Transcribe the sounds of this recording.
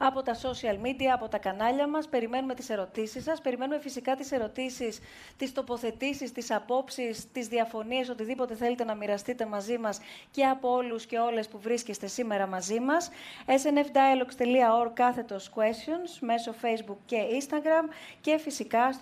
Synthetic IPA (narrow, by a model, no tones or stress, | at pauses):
ɐpo̞t̪ɐso̞siɐlmid̪iɐːpo̞t̪ɐkɐnɐʎɐmɐspe̞ɾime̞nume̞t̪i̥se̞ɾo̞t̪isisːɐspe̞ɾime̞nume̞fisikɐt̪ise̞ɾo̞t̪isis | t̪ist̪o̞po̞θe̞t̪isist̪isɐpo̞psist̪izðiɐfo̞niɐso̞t̪iðipo̞t̪e̞θe̞let̪e̞nɐmiɾɐst̪it̪e̞mɐzimɐsce̞ɐpoo̞lusce̞o̞le̞spuvɾisce̞st̪e̞sime̞ɾɐmɐzimɐsese̞ne̞fd̪aelokst̪e̞liɐo̞ɾkɐθe̞t̪o̞skue̞st̪io̞nsme̞so̞fe̞jzbukce̞inst̪ɐɡɾɐmce̞fisikɐs